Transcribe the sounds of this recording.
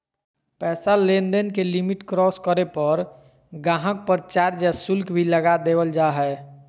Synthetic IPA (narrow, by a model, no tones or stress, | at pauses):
pɛːsalenɖənkelimiʈkɾɔːskəɾepəɾ | ɡãːɦək̚pəɾt͡ʃaːɾd͡ʒɛsʊlkʰbʱiləɡad̪eːwəld͡ʒaɦɛ